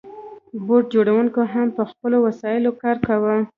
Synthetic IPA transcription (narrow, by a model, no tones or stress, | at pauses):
boʈ̚d͡ʒoɽawuŋkoɦampəxpəlowasɑjɪlokɑɾkawə